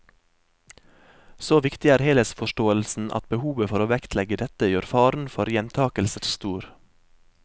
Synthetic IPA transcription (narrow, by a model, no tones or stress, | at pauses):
soːʋɪkt̪ɪæːɾheːləsfɔʃʈoːəlsn̩ʔɑ̰t̪̚bəhuːʋəfɔɾoːʋɛkt̪ʰlɛɡəd̪ɛt̪əjøːɾfɑːɾn̩fɔɾjɛnt̪ʰɑːkəlsəɾst̪uːɾ